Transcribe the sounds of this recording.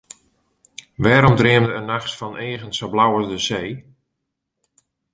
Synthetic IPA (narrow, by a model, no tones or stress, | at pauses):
ʋɛːɾɔmdrɪəmdəənaxsfɔnʔeːɣənsəblawəzdəzeː